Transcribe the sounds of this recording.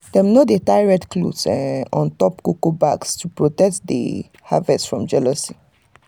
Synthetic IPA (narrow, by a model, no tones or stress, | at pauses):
d̥ɛ̃mnodetaɪɹɛtklṵsɛɔ̃ntɔpkokobakstupɹotɛk̚tdḛ | ha̰vɛssfɹɔ̃md͡ʒɛlɔsi